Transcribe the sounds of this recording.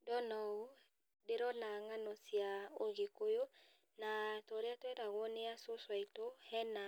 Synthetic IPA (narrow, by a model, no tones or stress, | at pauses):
dɔnɔu | deɾɔnaŋanɔsjaoɣekojo | natɔɾeatwɛɾaɣɔneasoswaitohɛna